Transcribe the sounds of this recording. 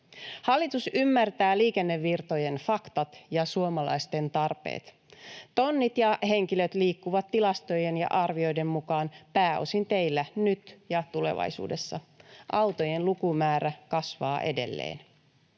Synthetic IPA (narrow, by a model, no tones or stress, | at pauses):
hɑlːit̪usymːært̪æːliːke̞nːe̞ʋːirt̪o̞je̞nfɑkt̪ɑt̪jɑsuomɑlɑ̰ist̪e̞nt̪ɑrpḛːt̪ | t̪o̞nːit̪jɑhe̞ŋkiløt̪liːkːuʋɑt̪tːilɑst̪o̞jenjɑ̰ʔɑrʋio̞jde̞mmukɑːnpæːo̞̰sint̪e̞jlːænyt̪jɑt̪ule̞̰ʋɑ̰jsṵːde̞sːɑʔɑwt̪o̞je̞nlukumæːɾækɑsʋɑːʔe̞de̞̰lːḛːn